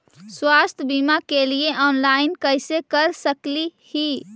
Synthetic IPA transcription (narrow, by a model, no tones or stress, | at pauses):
swast̪ʰbimakelieʔɔːnlainkəjsekəɾsəklihi